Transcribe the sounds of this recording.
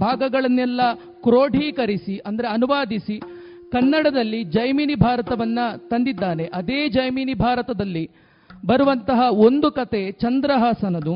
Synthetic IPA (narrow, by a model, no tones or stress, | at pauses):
bʱaːɡɐɡɐɭɐnːɛlːɐ | kɾoːɖʱiːkɐɾisiʔɐnd̪ɐɾe̞ɐnuʋaːd̪isi | kɐnːɐɽɐd̪ɐlːid͡ʒɐjmiːnibʱaːɾɐt̪ɐʋɐnːɐt̪ɐnd̪id̪ːaːne̞ʔɐd̪eːd͡ʒɐjmiːnibʱaːɾɐt̪ɐd̪ɐlːi | bɐɾuʋɐnt̪ɐɦɐo̞nd̪ukɐt̪e̞t͡ʃɐnd̪ɾɐɦaːsɐnɐd̪u